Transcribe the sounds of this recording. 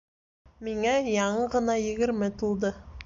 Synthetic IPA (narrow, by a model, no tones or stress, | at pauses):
miŋæjɑɴɤʁɤ̆nɑjɘ̆ɡɘ̆ɾmɘt̪ulˠd̪ɤ